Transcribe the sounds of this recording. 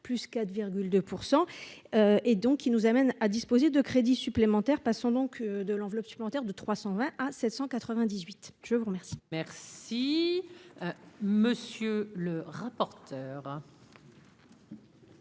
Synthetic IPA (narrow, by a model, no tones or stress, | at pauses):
plyskat̪viʁɡʲyld̪øpʰuʁsɑ̃øed̪ɔ̃kʰʲːinuzamɛnad̪ispozed̪əkχed̪isyplemɑ̃t̪ɛʁpasɑ̃d̪ɔ̃kd̪əlɑ̃vlɔpsy̥plemɑ̃t̪ɛʁd̪ət̪χwasɑ̃vɛ̃ʔasɛt̪sɑ̃kat̪χəvɛ̃d̪izɥit̪ʒ̥əvuʁmɛʁsi̥mɛʁsi | məsjøləʁapɔʁt̪ʰœːʁ